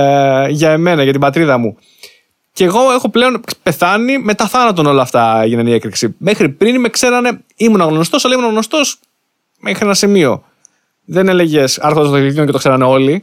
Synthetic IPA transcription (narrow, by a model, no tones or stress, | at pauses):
ʝɐeme̞nɐʝɐt̪ibɐt̪ɾiðɐmu | ceɣo̞e̞xo̞ple̞o̞npe̞θɐnime̞t̪ɐθɐnɐt̪̬o̞no̞lɐːft̪ɐe̞ʝinɐnie̞kɾiksime̞xɾipɾinime̞kse̞ɾɐne̞ | imunɐɣno̞st̪osɐlɐimunɐɣno̞st̪o̞s | mexɾienɐsimio̞̰ | ðe̞ne̞le̞ʝe̞sɐɾxond̪ɐst̪oit̪ioce̞t̪okse̞ɾɐne̞o̞li